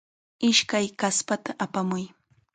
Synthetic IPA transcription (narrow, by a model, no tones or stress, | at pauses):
ɪʃkajkaspat̪aʔapamʊj